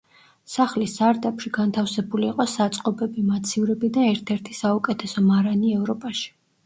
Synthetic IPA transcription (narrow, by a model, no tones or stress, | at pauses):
saχlisaɾt̪ʼapʃiɡant̪ʰafsɛbuliːqʼɔsat̪sʼqʼɔbɛbimat̪sʰiuɾɛbid̪aɛɾt̪ʰɛɾt̪ʰisaukʼɛt̪ʰɛsɔmaɾaniɛvɾɔpʼaʃi̥